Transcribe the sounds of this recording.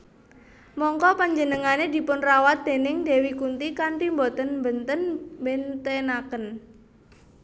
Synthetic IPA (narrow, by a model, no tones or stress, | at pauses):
mɔŋkɔpaɲd͡ʒənəŋanedi̤pʊnrawat̪̚d̪̥e̤nɪŋde̤wikunt̪ikanpimbot̪ənmbənt̪ənbent̪enakən